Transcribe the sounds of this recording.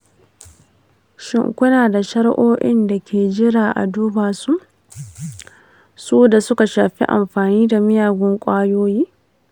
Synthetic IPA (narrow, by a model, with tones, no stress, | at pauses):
ʃɪ̰˦ŋkʷʊ˦naː˨da˨ʃɐ˦ɽʔoː˦ʔɪ˦nda˨kʲʰeː˨d͡ʒɪ˦ɽaː˨ʔa̰˨duː˦baː˨su˦ʔ | suː˦da˨sʊ˦ka˨ʃaː˨ɸḭ˦ʔa̰˨mɸaː˨niː˦da˨mɪ˦jaː˨ɡʷɔ˦ŋkʷʼaː˦joː˦jiː˦